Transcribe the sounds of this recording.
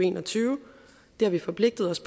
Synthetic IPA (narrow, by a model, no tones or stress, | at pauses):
e̝̰ːnɒ̽t͡sʰyːʊə | d̥e̝æɐʋifɒ̽pʰle̝ɡ̥̚d̥əð̞̩ˠɒ̽spʰ